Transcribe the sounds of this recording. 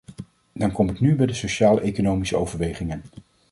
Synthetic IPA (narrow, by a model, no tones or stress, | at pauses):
dɑnkɔmɪknybɛjdəsoʃaːlˠejkonowmisəowvəɹʋejχɪŋən